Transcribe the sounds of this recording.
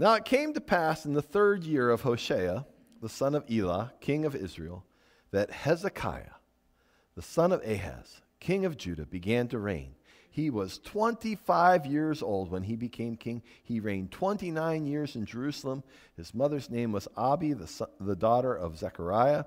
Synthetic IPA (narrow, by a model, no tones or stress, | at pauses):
naʊɨt̚kʰẽɪ̃mtɨpʰæsn̩ðəθɜ˞djɪɹʌv̥hoʊʃeɪə | ðəsʌ̃nʌvilˠɑ̰kʰɪ̃ŋʌvɪ̰zɹḭl̩ˠ | ðɨt̚hɛzɨkʰa̰ɪɨ̰ | ðəsʌ̃nʌveɪɦæ̰z̥ | kʰɪ̃ŋʌvd͡ʒʉɾɨbɨɡæ̃ntɨɹḛ̃ɪ̃n | iwʌz̥tʰw̥ɛ̃ntifaɪvjɪɹzoʊlˠd̚wə̃nibɨkʰẽɪ̃mkʰɪ̃ŋiɹẽɪ̃ntʰw̥ɛ̃ntinãɪ̃njɪɹzɨ̃nd͡ʒə˞ʉsl̩ˠə̃m | ɨzmʌðə˞znẽɪ̃mwʌzɑbiððədɔɾə˞ʔʌ̰vzækə˞aɪɨ